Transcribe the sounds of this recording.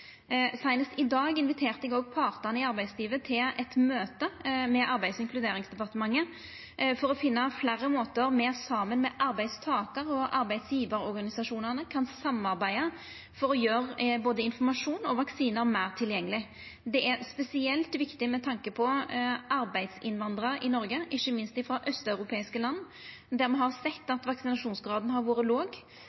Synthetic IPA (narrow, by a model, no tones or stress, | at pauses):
sæɪnəst̪ɪd̪ɑːɡɪnʋɪt̪ʰeːʁt̪əɛɡɔɡpʰɑːʁt̪əʁnəɪɑɾbæɪd̪sliːʋət̪ʰɪlɛt̪møːt̪əmɛʔɑɾbæɪd̪sɪŋkʰlʉd̪eːɾɪŋsd̪ɛpɑʁt̪əmɑŋːə | fɔɾɔfɪnːəflæːɾəmoːt̪əɾmɛːsɑːmənmɛʔɑɾbæɪst̪ʰɑːkəɾɔʔɑɾbæɪd̪sjiːʋəɾɔɾɡɑnɪsɑʂuːnəʁnəkʰɑnsɑmːɑɾbæɪə | fɔɾɔjøːɾboːd̪əɪnfɔɾmɑʂuːnɔʋɑksiːnəɾmæɪʁt̪ʰɪljɛŋːəlɪ | d̪ɛʔæɾspɛsɪɛlt̪ʋɪkt̪ɪmɛt̪ʰɑŋkəpʰɔɑɾbæɪd̪sɪnʋɑnd̪ɾəɾɪnɔɾɡəʔɪçːəmɪnst̪ɪfɾɑːʔœst̪œʉɾʊpʰeːɪskəlɑnː | d̪æɾmɛɦɑʁsɛt̪ːɑt̪ʋɑksɪnɑʂuːnsɡɾɑːd̪n̩ɦɑɾʋuːɾəloːɡ